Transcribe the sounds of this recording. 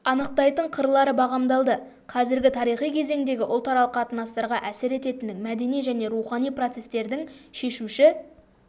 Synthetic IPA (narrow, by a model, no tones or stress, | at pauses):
ɑnəq̚t̪ɑjt̪əɴqʰəɾlˠɑɾəbɑʁɑmd̪ɑlˠd̪ə | qʰɑzɪɾɡʲɪt̪ʰɑɾijχijkʲʰe̞ze̞ŋd̪e̞ɡʲɪʔʊlˠt̪ɑɾɑlˠəqɑt̪ənɑst̪ɑɾʁɑʔæsɪɾe̞t̪e̞t̪ɪnd̪ɪŋmæd̪e̞nijʒæne̞ɾuχɑnijpro̞t̪se̞st̪e̞ɾd̪ɪŋʃe̞ʃuʃɪ